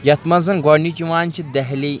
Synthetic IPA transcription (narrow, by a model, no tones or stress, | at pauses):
jɐt̪mɐzɐnɡɔɾnit͡ʃiʋaːnt͡ʃʰid̪ɛɦli